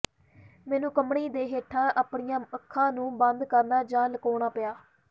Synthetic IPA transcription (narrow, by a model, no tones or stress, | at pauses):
mɛːnũːkəmɳiːd̪eːɦeːʈʰːãːʔaːpɳɪjãːəkʰːãːnũːbənd̪kəɾnaːd͡ʒãːləkoːɽaːpɪjaː